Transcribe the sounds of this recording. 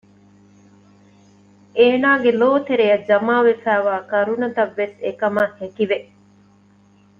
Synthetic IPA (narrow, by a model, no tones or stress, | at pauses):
eːnaːɡeloːt̪eɾejɐd͡ʒɐmaːʋefæːʋaːkɐɾunɐt̪ɐʋːesekɐmɐhekiʋe